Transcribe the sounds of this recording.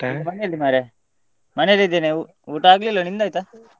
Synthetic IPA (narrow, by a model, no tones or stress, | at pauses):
mɐneɐlːimaːɾe | mɐnelːid̪ene | uːʈaːɡlilːonind̪aːjt̪a